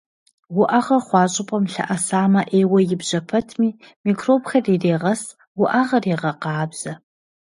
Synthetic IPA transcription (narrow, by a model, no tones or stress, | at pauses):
wʊʔɐʁɐrχʷɑːɕʼɪpʼɐmɬɐ̰ʔɐsaːmɐʔeːwɐjɪbʑɐpʰɐtʰmiː | miːkʰroːbxɐriːreːʁɐs | wʊʔaʁɐreːʁɐqɑːbz̥ɐ